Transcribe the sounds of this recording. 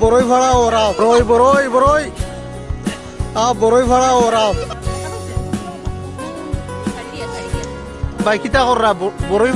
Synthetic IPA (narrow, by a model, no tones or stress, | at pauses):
bɔɾojfʰaɽawɔɾaɔɾojbɔɾojbɔɾoj | abɔɾojfʰaɹawɔɾaw | bajkʰit̪akɔɾːabɔɾoj